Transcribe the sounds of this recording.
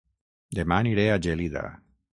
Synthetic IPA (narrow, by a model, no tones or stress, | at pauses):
d̪emaniɾead͡ʒeliða̰